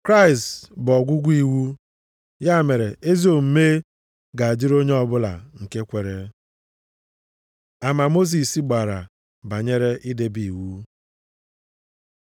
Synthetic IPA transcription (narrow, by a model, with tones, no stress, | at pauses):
kɾa˦ɪ˨stbɔ˨ɡʷʊ˦ɡʷi˨wu˦ | ja˦˨me˨ɾe˨ʔe˦zi˦o˦˨m̩˦me˦ | ɡa˨a˨d͡ʒi˦ɾo˦ɲe˦ɔ˨bʊ˦la̰˨ŋ̩˨ke˦kʷe˨ɾe˦ | a˨ma˨mo˦s̬i˨si˦ɡ͡ba˨ɾa̰˨ | ba˨ɲe˦ɾe˦ʔi˦de˦bi˨wu˦